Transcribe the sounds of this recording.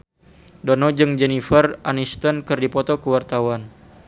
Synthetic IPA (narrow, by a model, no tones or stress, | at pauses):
dɔnɔd͡ʒɨŋd͡ʒɛnifərʔanist̪ənkɨrdipɔt̪ɔkəwart̪awan